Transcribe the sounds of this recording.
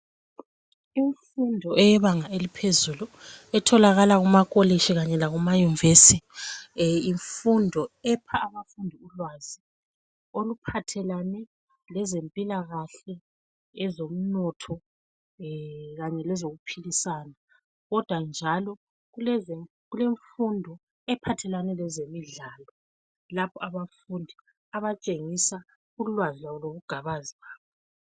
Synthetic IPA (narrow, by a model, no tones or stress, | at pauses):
iɱfundʱɔɛjɛβaŋaelipʰezuluɛtʰɔlaɣalaɣumakʼoleʃiɣaɲɛlaɣumajunivesi | iɱfundʱɔɛpʰaːβafundʱiulwaːzi | olupʰatʰɛlanɛ | lɛzempʼilaɣaɬɛː | zom̩nɔtʰɔ | ɣaɲɛlɛzoɣupʰilisaːna | ɣɔd̥ʱwand͡ʒʱalɔ | ɣulɛzɛ | ɣuleɱfundʱɔ | ɛpʰatʰɛlanɛlɛzemiɮaːlɔ | lapʰɔaβafundʱi | aβat͡ʃʼeŋisa | ulwazilaβɔloβuɡ̥ʱaβaziɣaːβɔ